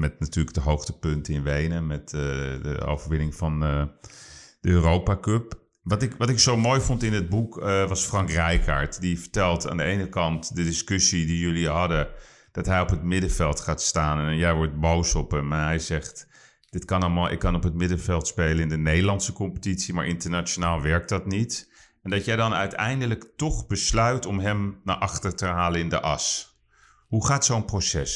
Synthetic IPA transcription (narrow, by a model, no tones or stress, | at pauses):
mɛtnatyːləɡ̚dəɦowxtəpøntəɪnʋejnəmɛtdə̰o̰wvərʋɪnɪŋfɑn | d̥əøːrowpakøp | ʋɑtɪkʋɑtɪksowmoːjfɔntɪnəd̚bukʋɑsfrɑŋkrɛjkʰa̰ːɹtdifə̥ɹtɛlˠta̰ːndəejnəkɑntdədɪskøsidijøliɦɑdə | d̥ɑtɦɛjɔpɦətmɪdəvɛlˠtχaːtstaːnnnjɛjʋɔɹt̚bowsɔpəmnɦɛjzɛχt | d̥ɪtkɑnɑlˠmaːlˠʔɪ̰kːɑnɔpɦət̚mɪdəvɛlˠtspejlənɪndənejdəlɑntsəkɔmpə̥titsimaːɹʔɪntəɹnaːt͡ʃonaːlˠʋɛɹk̚dɑtnit | ɛndɑtjɛjdɑnœɥtɛ̰jndələktɔχbəslœɥtɔmɦɛmnaʔɑχtəɹtəɦaːlənɪndəʔɑs | ɦuχaːtsownprosɛs